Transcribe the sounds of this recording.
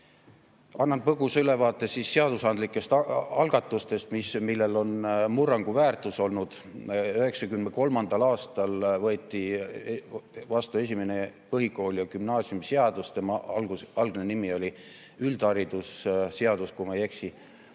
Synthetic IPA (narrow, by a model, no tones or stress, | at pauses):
ɑnːɑnpɤɡusylevɑːt̪ːˑesisːe̞ɑd̪̥usɑnd̪likːˑe̞st̪ɑlɡ̥ɑt̪ːˑust̪e̞st̪mismilːe̞lo̞nmurːɑŋɡ̥uvæːrt̪ˑuso̞lnud̪̥ | øhe̞ksɑkymneko̞lmɑnd̪̥ɑlɑːst̪ɑlvɤːt̪ːˑi | vɑst̪ue̞s̬ʲimenepɤɦiko̞ːljɑɡ̥ymnɑːsiumseɑd̪ust̪e̞mɑlɡɑlɡ̥nenimio̞lʲi | yld̪ɑɾid̪̥usse̞ɑd̪̥uskumɑjeksi